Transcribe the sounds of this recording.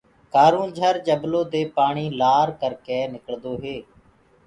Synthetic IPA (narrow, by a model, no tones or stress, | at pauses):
kaːɾũːnd͡ʒʱəɾd͡ʒəbloːd̪eːpaːɳiːlaːɾkəɾkeːnɪkəɭd̪oːɦeː